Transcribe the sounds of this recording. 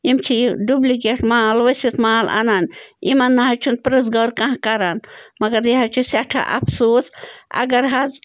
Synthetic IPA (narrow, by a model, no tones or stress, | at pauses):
imt͡ʃʰiɖubliɡeʈmaːlʋɐsit̪maːla̰nanḭmɐnːaɦɐt͡ʃʰunpɾes̬ɡɐɾkãɦkɐɾanmɐɡɐɾjiɦɐt͡ʃʰusaʈʰa̰ʔɐ̰fʰsoːsɐ̰ɡɐɾɦɐz